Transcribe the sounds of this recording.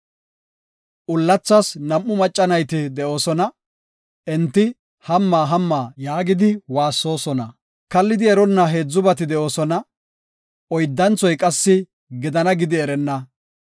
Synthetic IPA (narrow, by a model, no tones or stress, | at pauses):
ʔʊlːɐt͡sːɐsnɐmːʊmɐt͡ʃʼːɐnɐjt̪ɪd̪ɛʔo̞ːsɔnɐ | ʔɛnt̪ːɪ | hɐmːaːɦɐmːaːjaːɡɪd̪ɪwaːsːo̞ːsɔnɐ | kɐlːɪd̪ɪɛɾɔnːɐɦe̞ːd͡zːʊbɐt̪ɪd̪ɛʔo̞ːsɔnɐ | ɔjd̪ːɐnt͡sɔjkʼɐsːɪ | ɡɪd̪ɐnɐɡɪd̪ɪɛɾɛnːɐ